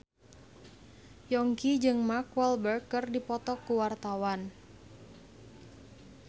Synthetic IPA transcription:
jɔŋkid͡ʒɨŋmakwɛlbərkːɨrdipɔt̪ɔkːuwart̪awan

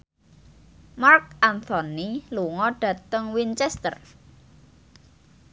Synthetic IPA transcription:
mark̚ant̪ɔniluŋɔɖ̥ä̤t̪əŋwint͡ʃɛst̪ər

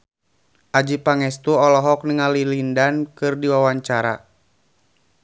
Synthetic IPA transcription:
ʔad͡ʒipaŋɛst̪uɔlɔɦɔk̚niŋalilindankɨrdiwawaɲt͡ʃaɾa̰

